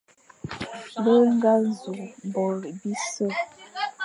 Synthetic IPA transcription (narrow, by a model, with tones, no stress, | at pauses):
bə˦ŋ˦ɡa˦zu˨bɔ˨ɾbi˦sə˦˨